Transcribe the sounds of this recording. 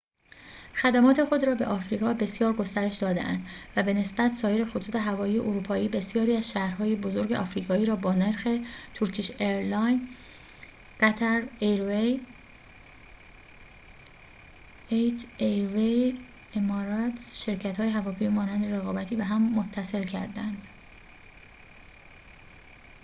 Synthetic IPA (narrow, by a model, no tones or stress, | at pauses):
xæd̪æmɒːt̪ʰe̞xo̞d̪ɾɒːbe̞̰ʔɒːfɾiːɣɒːbe̞sjɒːɾɡo̞st̪æɾe̞ʃd̪ɒːd̪ḛʔæ̰nd̪væbe̞ne̞sbæt̪ʰsɒːje̞ɾe̞xot̪ʰuːt̪ʰe̞ɦævɒːjiːje̞ʔoɾuːpʰɒːiːbe̞sjɒːɾiːæzʃæhɾɦɒːje̞bo̞zo̞ɾɟeʔɒːfɾiːɣɒːiːɾɒːbɒːneɾxe̞t̪ʰuɾcʰiʃeɾlɒjn | ɢ̥æt̪ʰæɾeɾe | ejt̪ʰejve | emɒːɾɒt̪sʃe̞ɾcʰæt̪hɒːjeɦævɒːpʰemiːmɒːnænd̪eɾe̞ɣɒːbæt̪ʰiːbeɦæmːot̪ʰːæse̞lcʰæ̰ɾd̪ænd̪̥